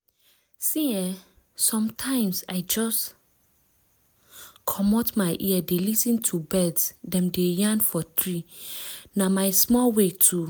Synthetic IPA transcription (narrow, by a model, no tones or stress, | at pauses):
sĩɛ | sɔ̃mtʰãɪ̃msaɪd͡ʒɔs | kʰɔmɔtmaɪʔiɛdelisĩntʰubɛdsdɛ̃mdejãnfɔtɹi | namaɪsmɔlwetʰu